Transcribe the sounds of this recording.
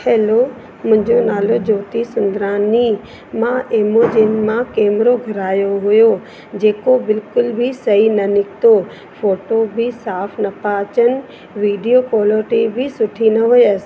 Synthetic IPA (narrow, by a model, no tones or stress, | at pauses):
eːlo | mʊ̃ɦɪ̃ɲd͡ʑonaːlod͡ʑoːt̪isʊ̃nd̪ɾaːni | mãʔeːmoːd͡ʑenmãkɛːmɪɾoɡʱɐɾaːjoɦʊjo | d͡ʑeːkobɪlkʊlbʱɪsɐɦinɐnɪkʰt̪o | foːʈobʱɪsaːpʰnɐpãːt͡ɕənɪ̆ | ʋiːɖijokwoːləɾʈibʱɪsʊʈʰinɐɦʊeəs